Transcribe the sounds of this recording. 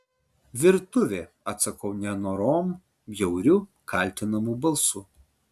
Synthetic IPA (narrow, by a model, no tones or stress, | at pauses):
ʋʲɪɾt̪ʊʋʲeː | ɐt̪sɐkɐʊnʲɛnoːɾoːm | jɛʊɾʲʊ | kʰɐˑlʲt̪ʲɪnɐmuːbɐlˠsu